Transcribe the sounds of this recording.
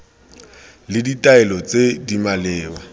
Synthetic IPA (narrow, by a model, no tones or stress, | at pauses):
lɪditʼaɛlɔt͡sedimalɛːwa